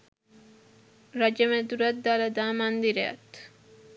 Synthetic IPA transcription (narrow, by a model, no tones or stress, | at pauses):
ɾad͡ʒemed̪uɾat̪̚d̪alɐd̪aːmand̪iɾea̰t̪